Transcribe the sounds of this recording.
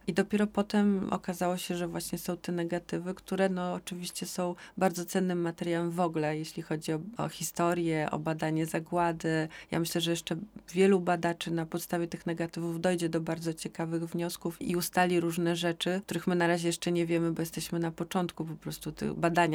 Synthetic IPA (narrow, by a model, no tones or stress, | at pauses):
id̪ɔpʲjɛɾɔpɔt̪ɛmɔ̰kazawɔɕɛʐɛvwaɕɲɛsɔ̃w̃t̪ɛnɛɡat̪ɘvɘkt̪uɾɛnɔːt͡ʂɘvʲiɕt͡ɕɛsɔ̃w̃baɾd̪zɔt̪sɛnːɘmːat̪ɛɾʲjawɛmvɔɡlɛjeɕlʲixɔd͡ʑiɔɔ̰xʲist̪ɔɾjɛʔɔ̰bad̪aɲɛzaɡwad̪ɘja̰mɘɕlɛʐɛjɛʂt͡ʂɛvʲjɛlubad̪at͡ʂɘnapɔt̪st̪avʲjɛt̪ɘxnɛɡat̪ɘvuvd̪ɔjd͡ʑɛd̪ɔbaɾd̪zɔt͡ɕɛkavɘɣvɲɔskufḭust̪alʲiɾuʐnɛʐɛt͡ʂɘkt̪uɾɘxmɘnaɾaʑɛjɛʂt͡ʂɛɲɛvʲjɛmɘbɔjɛst̪ɛɕmɘnapɔt͡ʂɔnt̪kupɔpɾɔst̪ut̪ɘ̰ɣbad̪aɲa